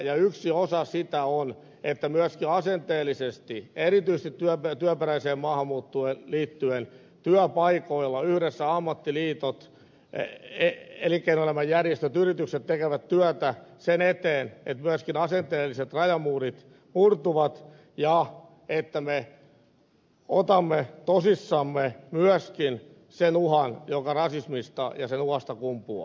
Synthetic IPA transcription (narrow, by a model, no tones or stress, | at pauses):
jɑyksiosɑsit̪æon | et̪ːæmyæskiɑsent̪eːlːisest̪ieɾit̪ys̆t̪it̪tyæpet̪yæperæiseːmmɑːhɑmːuːt̪ːueːnliːt̪ːyen | t̪yœpɑikoilːɑyhɾesːæɑmːɑt̪ːiliːt̪ot̪ | eelikːeinolemɑjjærjest̪øt̪yrit̪ykset̪t̪ekeʋæt̪t̪yœt̪æsenet̪eːnḛt̪myæskinɑsent̪eːlːiset̪rɑjɑmuːrit̪ | murt̪uʋɑt̪ | jɑ | et̪ːæme | ot̪ɑmːet̪osisːɑmːemyœskin | senuhɑnjokɑrɑsismist̪ɑ̰jɑsenuhɑst̪ɑkumpuɑ̰